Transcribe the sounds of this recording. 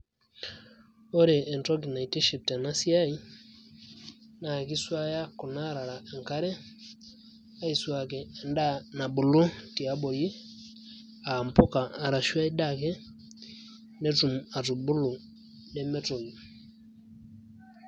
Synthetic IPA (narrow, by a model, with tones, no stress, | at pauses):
o˦ɾeː˨ntɔ˦ɡi˨na˨i˨te˦ʃi˨p̚tɛ˨na˦si˦a˦i˦ | na˨ki˦swa˦ja˦kɔ˨na˦ɾa˨ɾa˨e˨ŋka˦ɾɛ˦ | a˦i˨swa˨kɛː˨nda˦na˨bʊ˨lu˦ti˨a˦bo˨ji˦ | a˨mpʊ˦kaː˨ɾa˨ʃwa˦i˦da˦˨kɛ˦ | nɛ˦tu˨ma˨tu˨bu˦lu˨ | nɛ˦mɛ˦to˨ɡi˨